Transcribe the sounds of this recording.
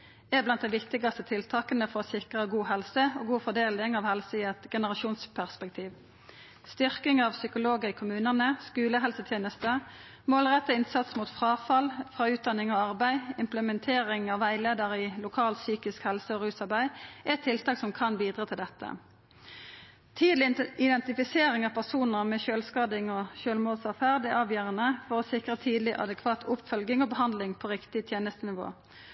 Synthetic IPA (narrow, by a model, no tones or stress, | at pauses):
ɛblɑnt̪̚d̪æɪʋɪkt̪ɪɡɑst̪ət̪ʰɪlt̪ʰɑːkənəfɔʁoːsɪkʁəɡuːhɛlsəoːɡuːfɔʁd̪eːlɪŋɑʋhɛlsəiɛt̪ɡɛnəʁɑʃuːnspʰæʁspɛkt̪ʰiːʋ | st̪ʏʁkɪŋɑʋsʏkʊloːɡəʁiːkʰʊmʉːnənəskʉːləɦɛlsət̪ʰjeːnəst̪ə | moːlʁɛt̪ːəɪnsɑt̪smuːt̪fʁɑːfɑlfʁɑːʉːt̪̚d̪ɑnɪŋoːɑʁbæɪɪmpləmɛnt̪ʰeːʁɪŋɑʋːæɪleːd̪əʁilʊkʰɑːlt̪syːkɪskhɛlsəɔʁʉːsɑʁbæɪæɛt̪ʰːɪlt̪ʰɑːksɔmkʰɑnʋiːd̪ʁɑt̪ʰɪld̪ɛt̪ʰːə̰ | t̪ʰiːd̪lɪɪd̪ɛnt̪ɪfɪseːʁɪŋɑːpʰæʁsuːnəʁmɛʃøːlskɑːd̪ɪŋɔʃøːlmoːlsɑfæʁd̪ɪʔɑːʋjøːʁənəfɔʁɔsɪkʁət̪ʰiːd̪lɪʔɑ̰d̪əkʰʋɑːt̪ʰʊpfœlɡɪŋɔbəɦɑnd̪lɪŋpʰoʁɪkt̪ɪt̪ʰjeːnəst̪ənɪʋo̰ː